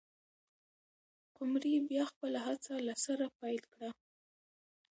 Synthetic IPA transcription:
qʊmɾibjɑxpəlaɦat͡salasaɾapajlkɽa

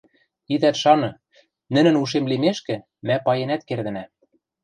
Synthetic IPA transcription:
id̪æt̪ʃɑnɤ̆ | nɘ̆nɘ̆nuʃ̬emlimeʃkɘ̆ | mæpɑjenæt̪̚kerd̪ɘ̆næ

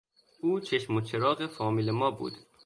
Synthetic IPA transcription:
uːt͡ʃʰeʃmot͡ʃʰeɾɒːɣefɒːmiːlemɒːbṵːd̪̥

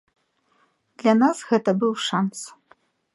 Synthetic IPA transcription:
d̪̥lʲanasɣɛt̪ɐbɨwʂans

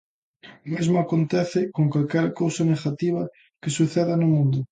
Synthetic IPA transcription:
mezmoakont̪eθɪkoŋkwalkɛɾkowsaneɣat̪iβ̞ɐ | kesuθeðanomũnd̪ʊ

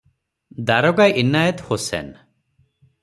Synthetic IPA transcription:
d̪aɾɔɡaʔinːajɔt̪hosɛ̰n

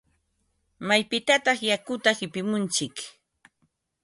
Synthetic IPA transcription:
majpɪt̪at̪ɑχjakʊt̪ahɪpɪmʊnt͡ʃɪk

